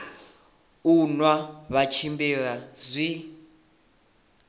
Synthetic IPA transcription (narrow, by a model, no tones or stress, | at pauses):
unwaβat͡ʃʰimbɛɺazʷi